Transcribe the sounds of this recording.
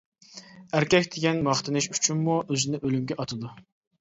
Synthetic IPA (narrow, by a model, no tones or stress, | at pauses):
æɾkʲɛkʲd̪ʰeɡʲɛnmɑχt̪ɨnɪʃy̥t͡ʃʰynmuøzɪnɪʔølymɡʲɛʔɑt̪ʰɨd̪u